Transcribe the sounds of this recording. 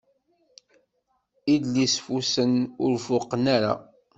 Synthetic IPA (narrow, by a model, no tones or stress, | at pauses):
id̪lisfusənʊɾvʊqnaɾa̰